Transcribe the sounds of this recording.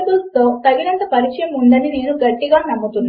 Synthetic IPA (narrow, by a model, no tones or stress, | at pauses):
bulst̪o̞ːt̪ɐɡinɐnt̪ɐpɐɾit͡ʃɐjɐmund̪ɐnineːnuɡɐʈːiɡaːnɐmːɐt̪unː